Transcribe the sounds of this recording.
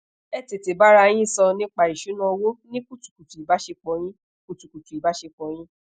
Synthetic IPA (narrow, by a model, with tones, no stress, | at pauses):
ɛ˦˨te˨te˨ba˦ɾa˦˧˦j̃ĩ˦i˦˨sɔ˧nĩ˦k͡pa˨ɾi˨ʃu˨˦nã˦o˧wo˦nĩ˦ku˦tu̥˨ku˨tu˨i˨ba˨˦ʃe˧k͡pɔ̃˧j̃ĩ˦ | ku˨tu˨ku˨tu˨i˨ba˨˦ʃe˧k͡pɔ̃˧j̃ĩ˦